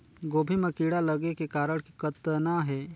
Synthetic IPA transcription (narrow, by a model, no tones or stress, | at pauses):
ɡoːbʱimɐ̃kiːɽaləɡekekaːɾəɽ̃kikət̪ːənaɦɛː